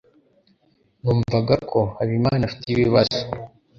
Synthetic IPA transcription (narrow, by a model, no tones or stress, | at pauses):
nuːɱvaɡakʰo̞haβimaːnafi̥tiβiβazo